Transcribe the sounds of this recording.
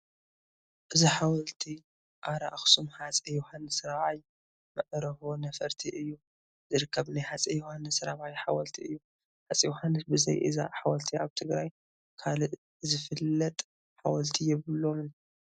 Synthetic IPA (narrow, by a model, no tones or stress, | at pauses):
ʔɨziħawɐlt̪ʰi | ʔaɾaʔxsumħat͡sʼɐjohanːɨsɨɾaβaj | mɐʕɾɐxonɐfɐɾt̪ʰiʔɨjːu | zɨɾɨkʰːɐβnajħat͡sʼɐjuhanːɨsɾaβajħawɐlt̪ʰiɨjːu | ħat͡sʼijuhanːɨsbɨzɐ̰jʔḭza̰ħawɐlt̪ʰiʔaβt̪ʰɨɡɾaj | kʰalɨʔ | zɨfɨlːɐt̪ʼ | ħawɐlt̪ʰijɛβɨlːomɨn